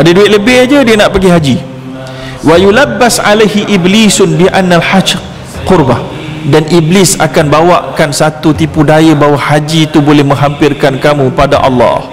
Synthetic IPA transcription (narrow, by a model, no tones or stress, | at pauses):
ʔadəduɪt̪ʔ̪̚ləbɪhd͡ʒədiənaʔpəɡiɦad͡ʒi | wajulabːasʕa̰lajɦiʔiblisʊnbiʔanːalħad͡ʒ | qʊrba | danʔiblɪsa̰kanbawaʔkansat̪ut̪ipudajəbaɦwahad͡ʒit̪ubolɛhmə̃ŋɦampɪrkankamũpada̰ʔɑ̰lːɑ̰h